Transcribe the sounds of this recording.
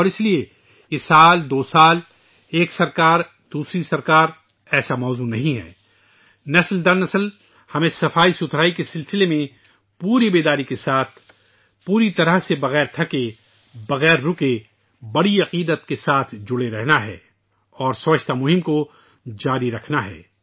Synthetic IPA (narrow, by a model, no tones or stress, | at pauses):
ɔːɾɪslie | ɪsaːld̪oːsaːl | eːksɐɾkaːɾ | d̪̥uːsɾisɐɾkaːɾ | ɛːsamɔːzunɐɦĩɦɛ̰ː | nɐsld̪ɐɾnɐsəl | hɐmẽsɐfaːisʊt̪ʰɾaːikesɪlsɪlemẽ | puːɾibeːd̪aːɾikesaːt̪ʰ | puːɾit̪ɐɾəɦsebɐɣɛːɾt̪ʰɐke | bɐɣɛːɾːʊke | bɐɽiɐqiːd̪ət̪kesaːt̪ʰd͡ʒʊɽeɾɛɦnaɦɛ̰ː | ɔːɾsɐʋəʃʰt̪amʊɦɪmko | d͡ʒaːɾiɾɐkʰnaɦɛ̰ː